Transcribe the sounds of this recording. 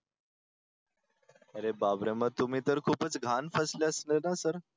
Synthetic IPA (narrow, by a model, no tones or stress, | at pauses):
əɾebabɾemat̪um̤iːt̪əɾkʰuːpət͡sɡʱanfəsleəslenasəɾ